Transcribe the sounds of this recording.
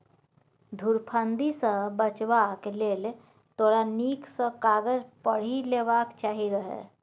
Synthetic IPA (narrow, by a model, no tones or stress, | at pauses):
d̪ʱuɾpʰənd̪isə̃bət͡ʃbakeleːle | t̪ʰoːɾaniːksə̃kaːɡəd͡ʒpəɽ̤ileːbaːkt͡ʃaːɦiɾəɦḛ